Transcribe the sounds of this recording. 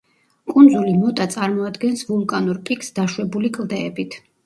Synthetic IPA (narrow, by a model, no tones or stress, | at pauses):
kʼund̪zulimɔt̪ʼat̪sʼaɾmɔad̪ɡɛnsvulˠkʼanuɾpʼikʰsd̪aʃwɛbulikʼlˠd̪ɛːbit̪ʰ